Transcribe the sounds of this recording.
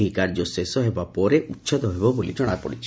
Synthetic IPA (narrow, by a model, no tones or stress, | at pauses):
ɦikaɾd͡ʒɔsesɔɦebapɔɾeʔutːʃʰad̪ɔɦebɔbolḭd͡ʒɔɽ̃apɔ̰ɽit͡ʃʰi̥